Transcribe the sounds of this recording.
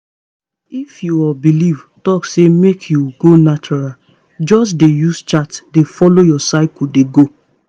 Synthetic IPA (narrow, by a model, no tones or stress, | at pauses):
ifjuɔbilivtɔksemekʰjuɡonat͡ʃɔɹal | d͡ʒɔs̬dejust͡ʃatdefɔlojɔsaɪkudeɡo